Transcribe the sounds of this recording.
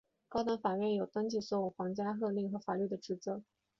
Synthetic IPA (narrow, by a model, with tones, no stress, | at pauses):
kɑ˥ʊt̪a˧˥nfa˨˩ɥɛ˥˩njo˨˩ʊt̪ə˥ŋt͡ɕi˥˩sɔ˥˩u˥˩xwɑ˧˥ŋt͡ɕja˥xɤ˥˧li˥˩ŋxɤ˧˥fa˨˩ly˥˩d̪ə˩ʈ͡ʂɻ̩˧˥t͡sɤ˧˥